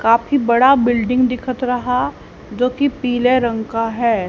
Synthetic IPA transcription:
kaːfibɐɽabɪlɖɪ̃ŋɡd̪ɪkʰət̪ɾɐɦa | d͡ʒoːkipiːleɾɐ̃ŋkaɦɛː

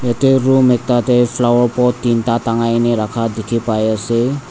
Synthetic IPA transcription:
jateɾumek̚tatepʰlawɔɾpɔtːintataŋajneɾakʰadekʰipajase

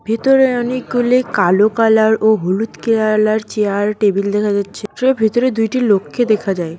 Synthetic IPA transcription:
bʱit̪oɾeɔnek̚ɡulekalokalaɾoɦolut̪kelalaɾt͡ɕeaɾʈebild̪ɛkʰad͡ʑatːɕʰeebʱit̪oɾed̪ujʈilokʰːed̪ekʰad͡ʑae

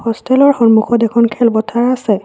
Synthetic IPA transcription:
hɔstʰɛlɔɹxɔnmukʰɔtɛkʰɔnkʰɛlbɔtʰaɹasɛ

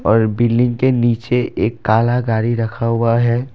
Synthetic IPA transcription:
ɔːɾbɪlːɪ̃ŋɡkeniːt͡ʃeeːkːaːlaɡaːɾiɾɐkʰaɦʊaɦɛː

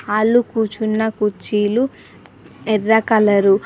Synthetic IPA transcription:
aːlːukuːt͡ʃunːɐkut͡ʃːilu | ɛrːɐkɐlɐɾu

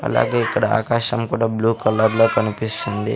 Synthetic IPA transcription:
ɐ̰la̰ːɡe̞ːikːɐɽɐa̰ːkaːʃɐmkuːɽaːbluːkɐlɐɾloːkɐnipist̪und̪ḭ

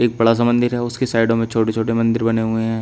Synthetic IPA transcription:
eːk̚bɐɽas̬ɐmə̃nd̪ʱɪɾɦɛʊskesaːɪɖõmẽt͡ʃʰoːʈet͡ʃʰoːʈemɐ̃nd̪ɪɾbɐneɦʊeɦɛ̃ː

